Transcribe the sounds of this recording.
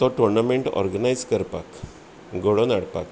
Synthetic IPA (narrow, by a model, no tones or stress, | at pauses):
t̪ɔʈuɾnameɳʈɔ̰ɾɡənajskəɾpa̰k | ɡoɽonaɽpa̰k